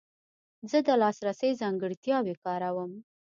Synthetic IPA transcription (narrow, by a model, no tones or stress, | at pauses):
zəd̪əlɑsɾasəjzɑŋɡəɽt̪jɑwekɑɾawəm